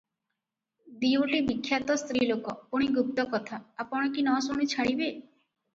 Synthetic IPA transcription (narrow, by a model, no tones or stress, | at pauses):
d̪ioʈibikʰːjat̪ɔst̪ɾilokɔpuɽ̃iɡup̚t̪ɔkɔt̪ʰaːpɔɽ̃ɔkinɔsoɽ̃it͡ʃʰaɽibe